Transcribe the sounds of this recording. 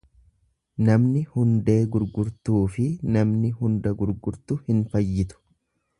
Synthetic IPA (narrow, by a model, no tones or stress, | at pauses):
nɐmnɪhʊnd̪e̞ːɡʊɾɡʊɾt̪uːfɪnɐmnɪhʊnd̪ɐɡʊɾɡʊɾt̪ʊhɪnfɐjːɪt̪ʊ̥